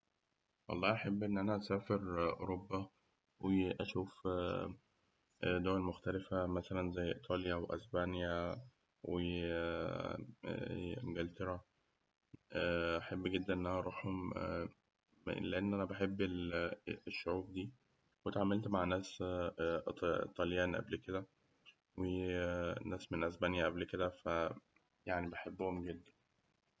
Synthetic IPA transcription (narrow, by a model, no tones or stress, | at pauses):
wɑ̰lˤːɑːʔaħebːʔenːʔænæʔæsæːfeɾʔo̰ɾobːæ | weʔæʃuːf | ʔd̪owælmoxt̪ælefæmæsælænzæjːʔet̪ʰˤɑːljæʔweʔæ̰sbænjæ | we | mɡælt̪eɾˤɑ | ʔaħebːɡed̪ːænʔenʔænæʔɑɾˤuːħhom | leʔenːʔænæbeħebːeleʃːoʕuːb̚d̪iː | wet̪ʕaːmelt̪maʕnæːs | t̪ˤɑljæːnʔæ̰blked̪æ | we | næːsmenʔæsbænjæʔæblked̪æfæ | jaʕnibeħebːohomɡed̪ːæn